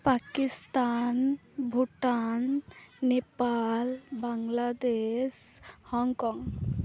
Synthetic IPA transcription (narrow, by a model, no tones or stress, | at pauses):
pakist̪anbʱuʈanːepalbaŋlad̪eshɔŋkɔŋ